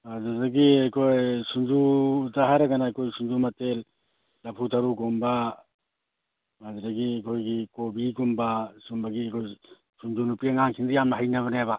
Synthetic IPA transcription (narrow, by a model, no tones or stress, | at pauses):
azadɐɡiajkʰojsund͡ʒudaɦajɾɐɡanaːjkʰojsund͡ʒumɐtelː | ɐpʰutʰaɾuɡumbɐ | azadɐɡiakʰojɡikobiɡumbasumbɐɡiajkʰoj | sund͡ʒunupiaŋaŋkʰiŋdijamnɐɦajnɐβɐneaba